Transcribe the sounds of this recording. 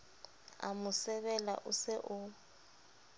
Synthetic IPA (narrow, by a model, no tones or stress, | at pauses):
a̰mʊsɛβɛla̰ʔʊsɪʔʊ